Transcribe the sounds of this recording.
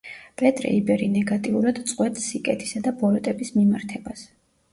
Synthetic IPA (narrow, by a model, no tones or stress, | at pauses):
pʼɛt̪ʼɾɛ̰ibɛɾinɛɡat̪ʼiuɾad̪t̪sʼqʼwɛt̪sikʼɛt̪ʰi̥sad̪abɔlɔt̪ʼɛbismimaɾt̪ʰɛbas